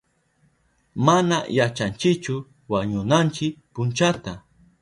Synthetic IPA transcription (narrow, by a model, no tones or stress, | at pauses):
manajat͡ʃant͡ʃɪkt͡ʃʊ | waɲʊnant͡ʃɪkpʊnt͡ʃat̪a